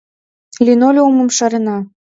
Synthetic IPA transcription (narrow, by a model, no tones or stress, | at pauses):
lʲinolʲomɤ̆mʃɑɾenɑ